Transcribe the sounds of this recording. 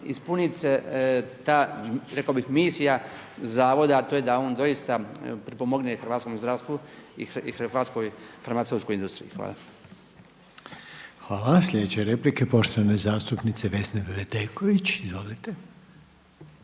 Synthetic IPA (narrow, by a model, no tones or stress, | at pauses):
ispunit̪set̪aːɾekaobixmiːsija | zaːʋo̞d̪aːt̪ojed̪aoːnd̪o̞jist̪apɾipo̞mo̞ɡnexr̩ʋaːt̪sko̞mzd̪ɾaːʋst̪ʋuḭxaːt̪skojfaɾmat̪ewt̪kojind̪ust̪ɾḭjḭxʋa̰ːla̰ | xʋaːlaslʲe̞d̪et͡ɕeɾeplikepo̞ʃt̪oʋanezaːst̪upnit̪seʋe̞snebʋed̪ekoʋit͡ɕizʋolit̪e